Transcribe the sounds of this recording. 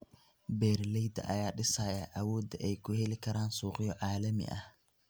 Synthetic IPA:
bɛːrlɛjd̪ɐ̰ʔɐ̰jaːɖɪsɐːjaʔɐwɔːd̪ɐʔɛjkʰʊhɛlɪkʰɐɾaːnsuːqɪjɔʕɑːlɐmɪ̰ʔɐ̰h

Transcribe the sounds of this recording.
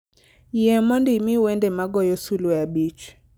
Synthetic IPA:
jɛmɔndimiwɛndɛmaɡɔjɔsulwabit͡ʃ

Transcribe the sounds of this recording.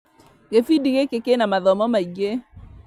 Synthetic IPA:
ɣeθidiɣekekenamaðɔmɔmaiɡe

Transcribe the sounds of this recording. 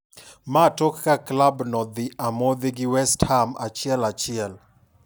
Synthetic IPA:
matokːaklabnɔd̪ɪamod̪eɡɪwɛsthama̰t͡ʃɪɛlat͡ʃɪɛl

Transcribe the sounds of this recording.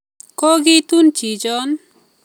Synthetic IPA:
kɔɡit̪unt͡ʃid͡ʒɔn

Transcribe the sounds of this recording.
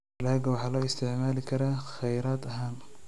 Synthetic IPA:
laːɡawɑħaːloːɪst̪ɪʕmaːlkʰɐɾaxajɾaːt̪ʔaɦaːm

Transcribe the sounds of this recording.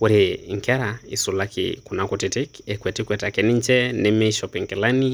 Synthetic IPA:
kuɾeŋkɛɾaisulakʰḭkunakutitikɛkwɛtikʷɛtakɛniɲt͡ʃɛnɛmɛʃɔpiŋkɛlani

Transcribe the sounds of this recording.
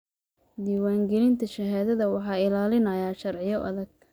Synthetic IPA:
d̪iːwaːŋɡɛlɪnt̪ʰɐʃɐɦaːðɐðɐwɑħɑːɪlaːlɪnɐjaːʃɐrʕɪjɔʔɐ̰ðɐɡ̚

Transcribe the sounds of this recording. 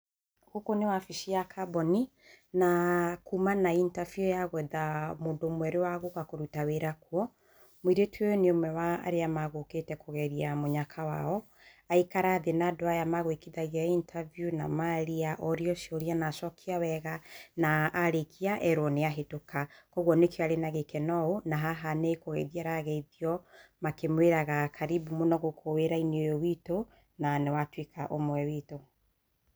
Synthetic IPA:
ɣokonewafiʃiakʰabɔni | nakumanaintafiojaɣwɛðamoːndomwɛɾewaɣokakoɾutaweɾakwɔ | mwiɾetweneomɛwa̰ːɾeamaɣoketɛkoɣɛɾiamoɲakʰawaɔ | aikaɾaðenadoajamaɣwekiðaɣiaintʰavijuna̰maɾiaʔɔɾiɔʃjoɾianasɔkʰiawɛɣanaːɾekʰiaʔɛɾwɔneaɦetokakɔɣwɔnekeaɾenaɣekɛnɔonaɦaɦanekoɣɛiðiaɾaɣɛiðiɔmakemweɾaɣakʰaɾibumonɔɣokʰoweɾaineojowito | nanɛwatwikʰaʔomwɛwiːto

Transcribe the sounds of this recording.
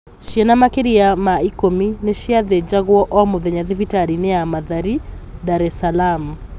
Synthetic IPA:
ʃiɛnamakeɾiamaikomineʃiaðed͡ʒaɣwɔʔɔmuðɛɲaðɪvitaɾineamaðaɾi | daɾɛsalam

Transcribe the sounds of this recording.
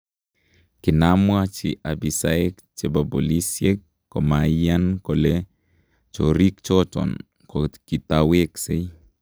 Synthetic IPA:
kɪnamwat͡ʃɪ̰ʔabisaekt͡ʃebabo̰lisjekː | ɔmajankole | t͡ʃo̰ɾikt͡ʃɔt͡ʃɔ̰n | kokit̪awekse

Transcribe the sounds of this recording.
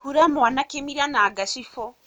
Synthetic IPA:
huɾamanakemiɾanaːɡaʃifo

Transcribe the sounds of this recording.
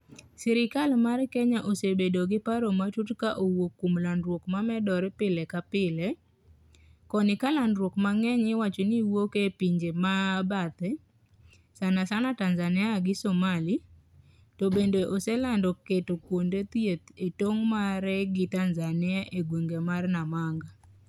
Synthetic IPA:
siɾɪkalmarkeɲaʔosebedoɡɪpaɾomatutkaʔowokːumlandɾwokmamɛdɔɾpɪlekapɪle | kɔnɪkalandɾwokmaŋɛɲɪwat͡ʃoniwokepiɲd͡ʒemabat̪ɛ | sanasanatanzanɪaɡɪsomali | tobendeʔoselandɔketokwondet̪jet̪etoŋmaɾɛɡɪtanzanɪaʔeɡweŋɡemarnamaŋɡa

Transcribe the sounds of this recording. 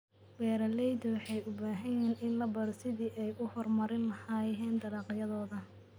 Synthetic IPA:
wɛːɾɐlɛjdwɑħɑjʊbaːɦɐjɛːnɪnlɐbɐɾsɪðiːʔɛjʔʊhɔrmɐɾɪnlɐhaɛːnd̪ɐlɑːqjɐðɔːðɐ

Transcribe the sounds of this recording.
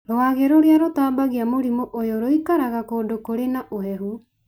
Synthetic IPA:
ɾoaːɣeɾoɾjaɾotaːbaɣiamoɾimoʔojoɾoikaɾaɣakoːndokoɾenaʔohɛɦu

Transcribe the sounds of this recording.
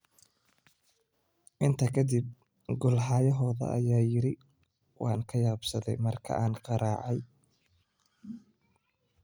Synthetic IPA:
ʔɪnt̪ʰɐkʰɐd̪ib̚ | ɡʊlħaːjɐɦɔːðɐ̰ʔɐ̰jaːjɪɾɪ | wɑːŋkʰɐjaːbsɐðɛ̰jmɐrkʰɐ̰ʔaːnqɑɾaːʕɑj

